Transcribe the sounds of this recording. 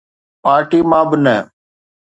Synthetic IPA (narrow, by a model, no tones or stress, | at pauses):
paːɾʈiːmãːbɪnɛː